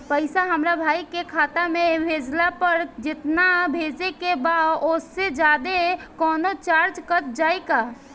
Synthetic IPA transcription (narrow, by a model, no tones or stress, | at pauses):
pəjsaɦəmɾabʱajkekʰat̪amebʱed͡ʒlapəɾd͡ʒɪt̪nabʱed͡ʒekebaosed͡ʒad̪ekɔnot͡ʃaɾt͡ʃkət̪̚d͡ʒajka